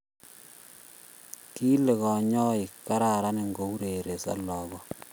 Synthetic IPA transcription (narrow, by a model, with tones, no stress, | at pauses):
ki˦le˨ɣɔ˨ɲɔ˦i˨kːa˦ɾa˨ɾa˦ne˦ŋɡo˨˦u˦ɾe˨ɾe˨sa̰˦lɔː˨ɡɔ˨